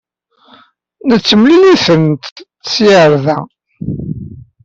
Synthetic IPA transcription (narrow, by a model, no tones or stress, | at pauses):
nət͡sːəmliliθənt̪ | siəɾðæ